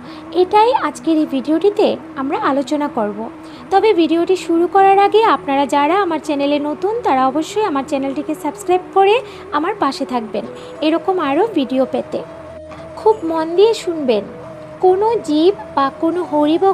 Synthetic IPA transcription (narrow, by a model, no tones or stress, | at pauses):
eʈajad͡ʑkeɾebʱiɖioʈit̪e | amɾaalot͡ɕonakoɾbo | t̪ɔbebʱiɖioʈiʃuɾukɔɾaɾaɡeapnaɾad͡ʑaɾaamaɾt͡ɕɛneleɾnot̪unt̪aɾaɔboʃːojamaɾt͡ɕɛnelʈikesabskɾajb̚ʈkoɾe | amaɾpaʃet̪ʰak̚ben | eɾɔkomaɾobʱiɖiopet̪e | kʰubmɔnd̪ieʃunben | konod͡ʑibbakonoɦoɾibo